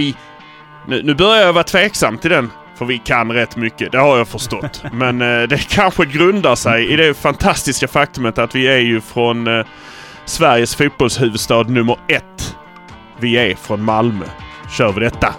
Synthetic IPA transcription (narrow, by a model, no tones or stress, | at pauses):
ɪ | nʉ̟̰ːnʉ̟ːbœɾjaɾjɑvɑːɾat̪ʰveːksamːt̪ʰɪld̪ɛn | fœɾvɪkʰanɾɛt̪ːmʏkːəd̪ɛhaɾjɑfœʂt̪ɔt̪ːmɛnd̪ɛkʰanɧəɡɾɵnd̪aʂɛjɪd̪ɛfant̪ʰast̪ɪskafak̚t̪ɵmət̪at̪vɪæjɵfɾɔn | svæɾjəsfuːt̪̚bɔlshʉ̟ːvɵd̪st̪ɑːd̪nɵmːəɾɛt̪ː | vɪæfɾɔnmalmœ̰ɕœːɾvɪd̪ɛt̪ːa